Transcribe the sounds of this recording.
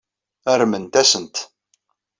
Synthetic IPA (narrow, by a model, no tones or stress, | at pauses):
æɾmənt̪æsənt̪